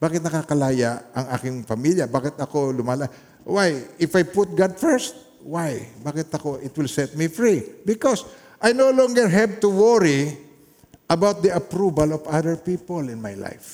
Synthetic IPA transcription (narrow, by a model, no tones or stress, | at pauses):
b̥aːkɪt̪̚nɐkakɐlaːjaʔʔɐŋʔaːkɪŋpɐmiljɐbaːkɪt̪ɐkolʊmala | wajɪfajpʊt̪̚ɡad̪̚fɛɹst̪̚ | wajbaːkɪt̪ɐkoʔɪt̪wɪlsɛt̪̚mifɹibɪkɔs | ʔajnowlɔ̃ŋɡɛɹɦɛb̚t̪ʊwɔɹi | ʔɐbawt̪̚d̪iɐpɹubɐlɔvaðəɹpiːpolɪ̃nmajla̰jf